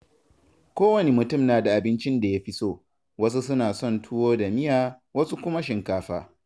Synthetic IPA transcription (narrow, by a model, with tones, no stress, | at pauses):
kʷoː˦wɐ˦ne˦mʊ˨tʊ˦˨mnaː˨da˨ʔa˨bɪ˦nt͡ʃɪ˦nda˨ja˦ɸi˦soː˦˨ | wɐ˦s̬u˦s̬ʊ˦naː˨sɔ˦˨ntʰʊ˦woː˦da˨mɪ˦jaː˨ | wɐ˦su˦kʷʊ˦ma˦ʃɪ˨ŋkaː˦ɸa̰ː˦